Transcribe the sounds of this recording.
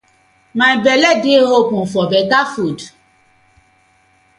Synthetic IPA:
mãibɛlɛdeɦopũfɔbɛkafud

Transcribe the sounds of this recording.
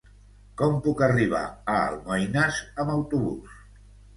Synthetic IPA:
kɔmpukəriβ̞a̰ə̰lˠməjnazəməwt̪uβṵs

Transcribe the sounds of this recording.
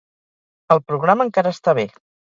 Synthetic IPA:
əlˠpɾuɣ̞ɾaməŋkaɾəːst̪aβ̞e

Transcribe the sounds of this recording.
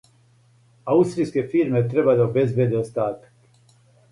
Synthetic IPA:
aust̪ɾijskʲefirmet̪ɾebad̪aobezved̪eost̪aːt̪ə̥k

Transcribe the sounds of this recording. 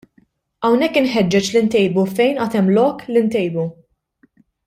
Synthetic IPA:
ɐwnɛkːɪnħɛd͡ʒːɛt͡ʃlɪnt̪ɛjbufɛjnʔɐt̪ɛmːlɔːkːlint̪ɛjbu

